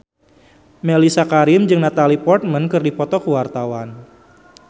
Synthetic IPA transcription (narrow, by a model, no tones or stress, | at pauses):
melisakaɾɪmd͡ʒɨŋnat̪alipɔrt̪̚mənkɨrdipɔt̪ɔkəwart̪awan